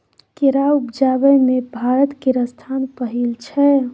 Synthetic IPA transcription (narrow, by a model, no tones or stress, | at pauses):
keɾaupd͡ʒabɛmebʱaɾət̪keɾəst̪ʰanpəɦilt͡ʃʰɛ